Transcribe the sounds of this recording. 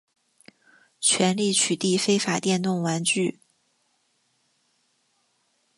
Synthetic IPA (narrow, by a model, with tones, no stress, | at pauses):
t͡ɕʰɥɛ˧˥nli˥˩t͡ɕʰy˨˩t̪i˥˩fe˥ɪfa˨˩t̪jɛ˥˧nt̪ʊ˥˩ŋwa˧˥nt͡ɕy˥˩